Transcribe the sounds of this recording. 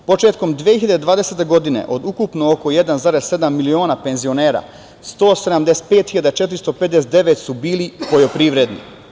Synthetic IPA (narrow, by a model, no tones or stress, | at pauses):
po̞t͡ʃe̞ːt̪ko̞md̪ʋiehiʎad̪ed̪ʋaːd̪ese̞t̪e̞ɡo̞d̪inḛʔo̞d̪ukupnookoje̞d̪anzaɾesse̞d̪amːilio̞ːnape̞nzio̞ne̞ːɾa̰ | st̪o̞ːsed̪amd̪ese̥t̪̚pe̞ːt̪hiʎad̪at͡ʃet̪ɾist̪ope̞d̪d̪eset̪d̪e̞ʋet̪subiːlipo̞jo̞pɾiʋɾe̞d̪nḭ